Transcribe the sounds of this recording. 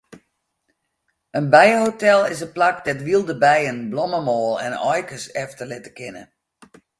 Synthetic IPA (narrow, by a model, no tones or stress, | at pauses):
ənbɛjəhotɛlˠɪsənplakdɛtʋilˠdəbɛjənblɔməmɔːlˠɛ̰nɔjkəsɛftərlɪtəkɪnə̰